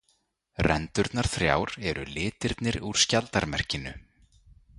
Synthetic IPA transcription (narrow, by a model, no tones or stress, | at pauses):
rɛnt̪ʏɾt̪naɾ̥θɾja̰wɾɛɾʏ̰lɪːt̪ɪɾt̪nɪɾuɾ̥scalt̪aɾmɛr̥cɪnʏ